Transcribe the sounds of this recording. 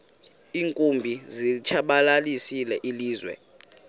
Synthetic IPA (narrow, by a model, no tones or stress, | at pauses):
iːŋkʼumbʱizit͡ʃʰaɓalalisilɛʔiliːzwɛ̰